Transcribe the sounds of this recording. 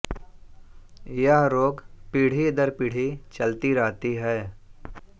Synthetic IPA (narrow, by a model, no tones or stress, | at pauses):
jəɦɾoːɡpiːɽ̤id̪əɾpiːɽ̤it͡ʃɐlt̪iɾɐɦt̪iɦɛː